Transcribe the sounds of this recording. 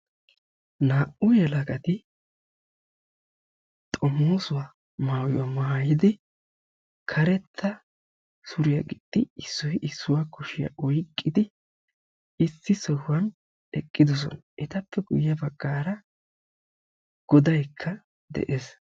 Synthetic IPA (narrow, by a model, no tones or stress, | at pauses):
naːʔʊjɛlɐɡɐt̪ɪ | t̪ʼɔmːoːsʊwa | maːwjʊ̰wamajɪd̪ɪ | kʰɐɾɛt̪ʰːɐ | sʊɾɪjɐɡɪd̪̥ʼːɪɪsːɔjʔɪsːʊwakʊʃɪjɐ̰ʔɔjkʼːɪd̪ɪ | ɪsːɪsɔhʊwɐn | ɛkʼːɪd̪ɔs̬ɔ̰nʔɛt̪ɐpːɛɡʊ̰jːɐbɐɡːaːɾɐ | ɡ̥ɔd̪ɐjkʰːɐ | d̪ɛ̰ʔeːs